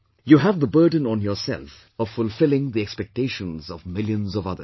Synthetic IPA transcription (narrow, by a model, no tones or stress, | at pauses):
juɦævðəbɜ˞d̃ⁿn̩ɔ̃njɔsɛ̰lf | ɔv̥fʊlˠfɪlˠɪ̃ŋðiɛkspɛk̚teɪʃə̃nzɔvmɪljə̃nzɔvʌðə